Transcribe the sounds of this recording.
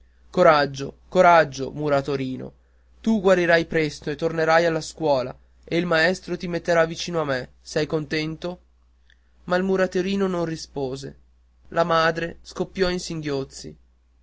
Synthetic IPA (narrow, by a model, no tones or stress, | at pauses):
koɾad͡ʒːokoɾad͡ʒːo̰muɾat̪oɾiːno̰ | t̪uɡwaɾiɾajpɾɛst̪oet̪ːorneɾajalːaskwɔːla̰ | eilmaɛst̪ɾot̪imet̪ːeɾavit͡ʃiːnoamːe | sɛjkont̪ɛnt̪o | mailmuɾat̪oɾiːnononrispoːzḛ | lamaːd̪ɾeskopːjɔinsiŋɡjot̪sːḭ